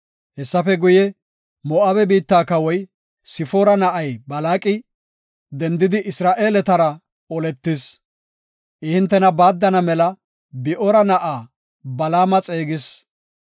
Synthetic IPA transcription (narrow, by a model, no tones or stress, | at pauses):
hɛsːɐfɛɡʊjɛ | mɔʔaːbɛbiːt̪ːaːkɐwɔj | sɪfɔɾɐnɐʔɐjbɐlaːkʼɪ | d̪ɛnd̪ɪd̪ɪʔɪsɾaːʔe̞ːlɛt̪ɐɾɐ | ɔlɛt̪ːɪs | ʔɪhɪnt̪ːɛnɐbaːd̪ːɐnɐmɛlɐ | bɪʔɔɾɐnɐʔaː | bɐlaːmɐt͡sʼe̞ːɡɪs